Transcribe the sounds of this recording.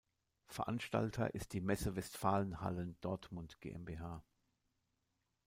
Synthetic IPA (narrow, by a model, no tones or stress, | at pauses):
fɛɐʔanʃta̰ltʰɐ̰ʔɪst̚d̥iːmɛsəvɛstfaːlənha̰lənd̥ɔɐtmʊntɡ̥ḛːʔɛ̰nbeːɦaː